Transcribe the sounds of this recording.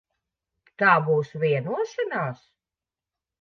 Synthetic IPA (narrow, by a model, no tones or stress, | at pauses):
t̪aːbuːsvʲiɛnuɔʃɛnaːs